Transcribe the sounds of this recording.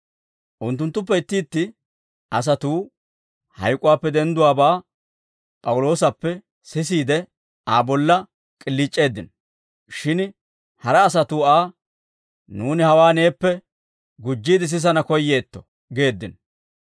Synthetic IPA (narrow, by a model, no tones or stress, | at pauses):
ʔʊnt̪ːʊnt̪ːʊp̬ːɛɪt̪ːiːt̪ːɪ | ʔɐs̬ɐt̪uː | hɐ̰jkʼʊwaːpːɛd̪ɛnd̪ʊwaːbaː | pʼɐwʊlo̞ːsɐpːɛ | sɪs̬iːd̪ɛ | aːbɔlːɐ | kʼɪlːiːt͡ʃʼːe̞ːd̪ːɪnɔ | ʃɪn | hɐɾɐːs̬ɐt̪uːaː | nuːnɪhɐwaːne̞ːpːɛ | ɡʊd͡ʒːiːd̪ɪs̬ɪs̬ɐnɐkɔjːe̞ːt̪ːɔ̥ | ɡe̞ːd̪ːɪn